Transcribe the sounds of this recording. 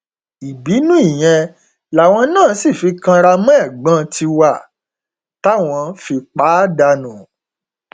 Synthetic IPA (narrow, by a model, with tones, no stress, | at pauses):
i˨bi˨˦nũ˦i˦˨j̃ɛ̃˧ | la˨w̃ɔ̃˧nãː˦˨˦si˦˨fi˧kã˧ɾa˧mɔ̃˦ɛ˦˨ɡ͡bã˦tʰi˧wa˦˨ | ta˦w̃ɔ̃˧fi˧k͡pa˨˦da˧nũ˨